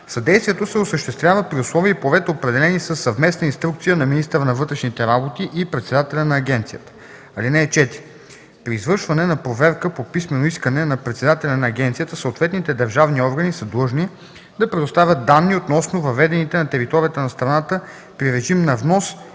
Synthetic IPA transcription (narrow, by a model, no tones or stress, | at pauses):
sɐd̪ɛjst̪vijɛt̪osɛosəʃt̪ɛst̪vjavəpɾiʊslˠɔviːplˠovɛt̪əopɾɛd̪ɛlɛnisəsːɐvmɛsnɐinst̪ɾuk̚t̪sijənɐminist̪əɾənɐvɤt̪ɾɛʃnit̪ɛɾabot̪iʔipɾɛt̪sɛd̪at̪ɛlʲɐnɐːɡʲɛnt̪sijət̪ə̥ | ɐlinɛːt͡ʃɛt̪i | pɾiːzvɤɾʃvɐnɛnɐpɾovɛɾkəpopismɛnoiskənɛnɐpɾɛt̪sɛd̪at̪ɛlʲɐnɐːɡ̟ʲɛnt̪sijət̪əsəot̪vɛt̪nit̪ɛd̪ɐɾʒavniɔɾɡənisəd̪lˠɤʒni | d̪ɐpɾɛd̪ost̪avʲjət̪̚d̪anːiot̪nɔsnovɐvɛd̪ɛnit̪ɛnɐt̪ɛɾit̪ɔɾijət̪ənɐst̪ɾɐnat̪ə | pɾiɾɛʒimnɐvnɔs